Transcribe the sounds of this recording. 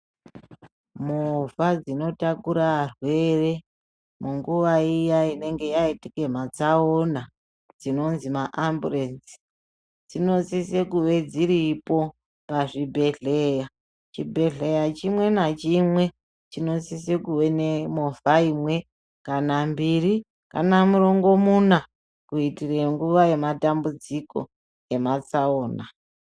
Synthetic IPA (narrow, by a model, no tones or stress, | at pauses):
movad͡zino̞takuɾaarwe̞re̞ | muŋɡuʋaijaine̞ŋɡe̞jaitike̞m̤at͡saona | d͡zino̞nzimaʔamburensi̥ | d͡zino̞sisekuʋe̞d͡ziɾipo̞ | paʐibʱe̞ɮeja | t͡ʃibʱe̞ɮe̞jat͡ʃimwe̞nat͡ʃimwe̞ | t͡ʃino̞sise̞kuʋe̞ne̞mo̞faimwe̞ | kanambiri | ka̰namuɾo̞ŋɡo̞muna | kuitireŋɡuʋaje̞matambud͡ziko̞̰ | e̞mat͡saoːna